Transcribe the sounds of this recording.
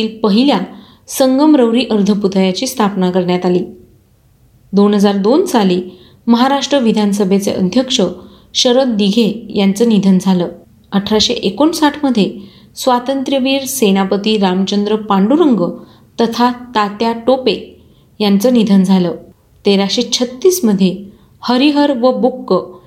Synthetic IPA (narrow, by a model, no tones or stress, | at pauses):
iːlpəɦilja | səŋɡəmɾəwɾiːʔəɾd̪ʱəput̪əjat͡ɕiːst̪ʰapnakəɾɳjat̪aliː | d̪onɦəd͡zaɾd̪onsaliː | məɦaɾaʂʈɾəʋid̪ʱans̬əbʱet͡sḛʔə̰d̪ʱjəkʂə | ɕəɾət̪̚d̪iɡʱejant͡səːnid̪ʱənd͡zʱaləː | əʈʰɾaɕeʔekoɳsaʈʰməd̪ʱːje | sʋat̪ənt̪ɾjəʋiːɾsenapət̪iːɾamt͡ɕənd̪ɾəpaɳɖuɾəŋɡə | t̪ət̪ʰat̪at̪jaʈope | jant͡sənid̪ʱənd͡zʱalə | t̪eɾaɕet͡ɕʰət̪ːiːsməd̪ʱje | həɾiɦəɾʋəbukːə